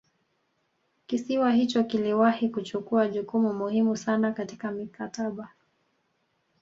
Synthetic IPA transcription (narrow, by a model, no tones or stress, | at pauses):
kisiwahit͡ʃɔkiliwahikut͡ʃukuaʄukumumuhimusanakati̥kamikataɓa